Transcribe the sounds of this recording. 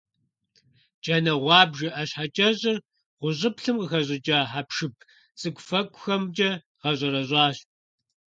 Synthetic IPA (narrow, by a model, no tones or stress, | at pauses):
d͡ʒʼɐnɐʁʷɑːbʒɐʔɐɕħat͡ʃʼɐʑʼɪr | ʁʷʊʑʼɪpɬɨmqəxɐʑʼɪd͡ʒʼaːħapʂɨpʰ | t͡sʼɨɡʷʊfɐkʷʼʊxɐmd͡ʒʼɐ | ʁɐʑʼɐɾɐʑʼɑːɕ